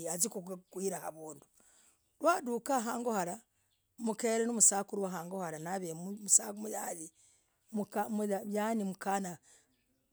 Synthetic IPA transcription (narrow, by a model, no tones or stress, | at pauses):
azikukwiːɾahaβuːndu | ɾwaːdukaɦaːŋɡohaɾa | mukeɾenomusaːkuɾwaɦaːŋɡohaɾanaβemumusaːkumujaːli | mukamujanimukana